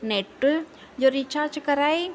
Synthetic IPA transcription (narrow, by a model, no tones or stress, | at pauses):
neʈːu | d͡ʒoɾit͡ʃaːɾd͡ʒkɐɾai